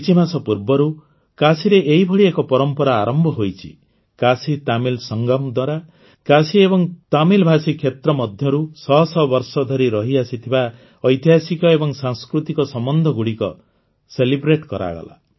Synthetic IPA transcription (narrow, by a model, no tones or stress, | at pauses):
it͡ʃimasɔpuɾbɔɾu | kasiɾeʔeɦibʱɔɽiekɔpɔɾɔmpɔɾaːɾɔmbʱɔɦojt͡ʃʰi̥̰ | kasit̪amilsɔŋɡɔmd̪waɾa | kasiebɔŋt̪amilbʱasikʰːjet̪ɾɔmɔd̪ʱjɔɾusɔsɔbɔɾsɔd̪ʱɔɾiɾɔɦiasit̪ʰiba | ɔjt̪iɦasikɔebɔŋsaŋskɾut̪ikɔsɔmɔnd̪ʱɔɡuɽikɔ | selibɾeʈkɔɾa̰ɡɔ̰la̰